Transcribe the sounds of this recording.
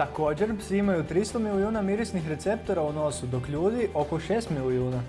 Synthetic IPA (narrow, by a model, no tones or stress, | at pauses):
t̪ako̞ːd͡ʑe̞ɾpsiimajut̪ɾist̪o̞milijuːnamiɾisnixɾe̞t̪se̞p̚t̪o̞ɾauno̞sud̪o̞kʎuːd̪iʔo̞ko̞ʃe̞ːst̪miliuːna